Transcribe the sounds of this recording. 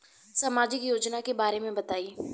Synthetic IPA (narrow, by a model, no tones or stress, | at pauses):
saːmaːd͡ʒɪkjoːd͡ʒnakebaːɾemẽbɐt̪aːi